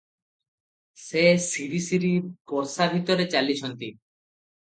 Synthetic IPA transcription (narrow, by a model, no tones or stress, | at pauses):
sesiɾisiɾikɔɾsabʱit̪ɔɾet͡ʃalit͡ʃʰɔnt̪i